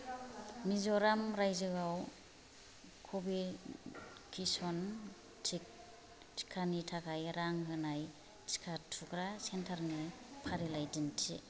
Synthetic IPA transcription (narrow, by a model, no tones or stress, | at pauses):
mizɔɾamɾajzɯɡaw | kʰɔbi | kʰisɔn | tʰik̚ | i̥kʰanitʰakʰajɾaŋɦɯnaj | t͡ʃi̥kʰatʰukɾasentʰaɾni | pʰaɾilajdintʰḭ